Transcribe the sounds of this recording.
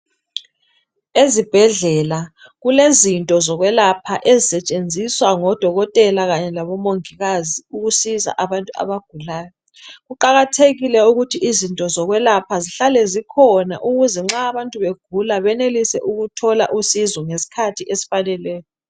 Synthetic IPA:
ezib̥ʱɛɮɛla | ɣulezintʼɔzɔɣwɛlapʰaʔezisɛt͡ʃʼend͡zʱiswaŋɔd̥ʱɔɣɔtʼɛlaɣaɲɛlaβɔmoŋiɣaziuɣusiza̰ʔaβantʼua̰βaɡ̥ʱulaːjɔ | ɣuǃaɣatʰeɣilɛuɣutʰiʔizintʼɔzɔɣwɛlapʰaziɬalɛzikʰɔna̰ʔuɣuzɛŋ͡ǁaːβantʼuβeɡ̥ʱulaβɛnelisɛ̰ʔuɣutʰɔlaʔusizwɔŋesi̥kʰatʰiʔesi̥fanɛlɛːjɔ

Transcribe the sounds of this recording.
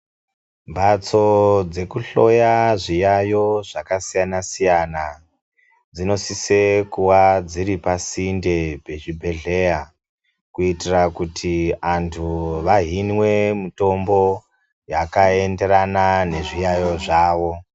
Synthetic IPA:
mbat͡so̞d͡ze̞kuɬo̞jaʐijajo̞ʐakasijanasijana | d͡zino̞sise̞kuwad͡ziɾipasinde̞bʱet͡ʃibʱe̞ɮe̞ja | kuitirakutʰiantʰuʋaɦinwe̞mito̞mbo̞ | jakae̞nde̞ɾanane̞ʐijajo̞ʐaːʋo̞

